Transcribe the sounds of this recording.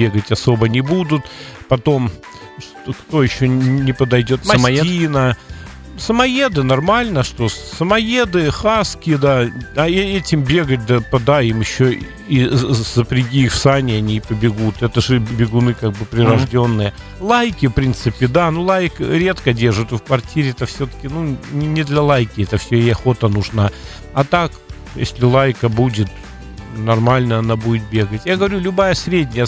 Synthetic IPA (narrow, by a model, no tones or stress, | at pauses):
bʲeɡətʲɐso̞bənʲɪbud̪ʊt̪pɐt̪o̞m | ʂt̪kt̪o̞jɪɕːonʲɪpəd̪ɐjdʲo̞t̪minə | səmɐjed̪ɨnɐrmalʲnəʂt̪o̞səmɐjed̪ɨxaskʲɪəd̪aɐɛɛtʲɪmbʲe̞ɡət̚ʲd̪əpɐd̪aɪmjɪɕːo | iz̥əpɾʲɪɡʲiːfsanʲɪɐnʲiːpəbʲɪɡut̪ɛt̪əʐɨbʲɪɡʊnɨkaɡ̚bɨpɾʲɪɾɐʐdʲo̞nːɨjə | lˠajkʲɪfpɾʲint̪sɨpʲɪd̪anulˠajkɾʲe̞t̪kədʲerʐɨt̪ɨfkvɐrtʲiɾʲɪɛt̪əfsʲot̪ə̥kʲɪnunʲɪnʲɪd̪lʲɐlˠajkʲɪɛt̪əfsʲoɪɐxo̞t̪ənʊʐna | ɐt̪ak | jḛsʲlʲɪlˠajkəbudʲɪt̪ | nɐrmalʲnəɐnabudʲɪt̪̚bʲe̞ɡətʲjaɡəvɐɾʲulʲʊbajəsʲɾʲedʲnʲɪjə